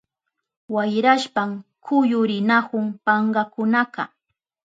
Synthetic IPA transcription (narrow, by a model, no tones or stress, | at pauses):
wajɾaʃpamkʰʊjʊɾɪnakʊŋpɑɴɢɑkʊnakɑ